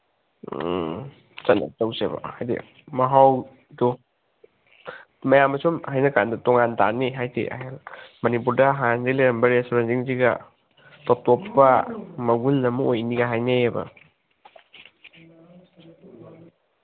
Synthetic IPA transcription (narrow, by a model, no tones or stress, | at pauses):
t͡ʃɐt̚na̰tɐwsebɐ̰hajdḛ | mɐɦaw | do | mɐjamːɐsumhajnɐkandɐtɔŋanta̰niɦajtḛʔa̰ɦelmɐnipuɾdɐɦanzeleɾɐmbɐɾestoɾensiŋziɡɐ̰ | tɔtɔpːɐmɐɡulːɐmuojniɡaɦajnejebɐ̰